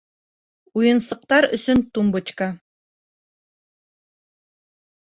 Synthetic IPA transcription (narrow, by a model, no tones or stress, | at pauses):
ujɤ̆nsɤ̆q̚t̪ɑɾɵ̰̆sɵnt̪umbɤ̆t͡ɕkɑ